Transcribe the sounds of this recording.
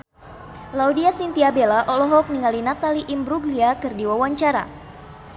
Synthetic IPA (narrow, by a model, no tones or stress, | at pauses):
laudiasint̪iabelaʔɔlɔɦɔk̚niŋalinat̪aliʔimbɾuɡliakɨrdiwawaɲt͡ʃaɾa̰